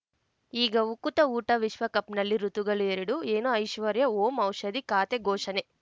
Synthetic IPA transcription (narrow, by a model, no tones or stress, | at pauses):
iːɡɐukːut̪ɐuːʈɐʋiʃʋɐkɐpnɐlːiɾut̪uɡɐɭueɾiɽueːnuɐjʃʋɐɾjɐoːmɐwʃɐd̪ikaːt̪eɡɔːʃɐne